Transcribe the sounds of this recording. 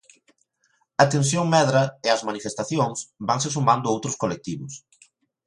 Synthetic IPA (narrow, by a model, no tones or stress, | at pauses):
ɐt̪ens̬joŋmɛðɾɐɪɐzmanifest̪aθjoŋsbaŋsɪs̬umand̪ʊowt̪ɾʊskolek̚t̪iβʊs